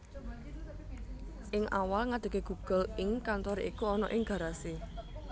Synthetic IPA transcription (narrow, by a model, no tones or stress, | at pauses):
ʔɪŋʔa̰walŋad̪̥ə̤keɡ̥ṳɡ̥ə̤lɪŋkant̪ɔɾeikuɔnɔ̰ʔɪŋɡ̥ä̤ɾase